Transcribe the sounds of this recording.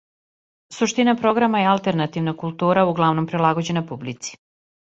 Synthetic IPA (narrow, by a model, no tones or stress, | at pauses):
suʃt̪inapɾo̞ɡɾamajealˠt̪eɾnat̪iʋnakulˠt̪uːɾauɡlˠaʋno̞mpɾilˠaɡod͡ʑe̞napublit̪si̥